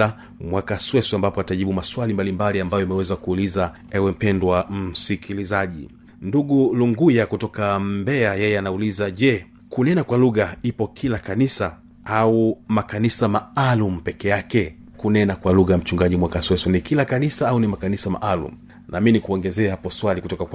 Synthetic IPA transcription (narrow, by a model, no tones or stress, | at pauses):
a | mwakaswɛsɛambapɔataʄiɓumaswalimbalimbaliambajɔimɛwɛzakuːliza | ɛwɛm̩pɛndwam̩sikʰilizaʄḭ | nduɠuluŋɡujakutɔkambɛajɛjɛanaulizaʄɛ | kunɛnakwaluɣaipɔkʰilakanisa | aumakanisamaalum̩pɛkɛjakɛ | kunɛnakwaluɣam̩t͡ʃuŋɡaʄimwakaswɛsɛnikilakanisaaunimakanisama̰ʔalṵm̩ | nʔaːminikuɔŋɡɛzɛːhapɔswalikutɔkakw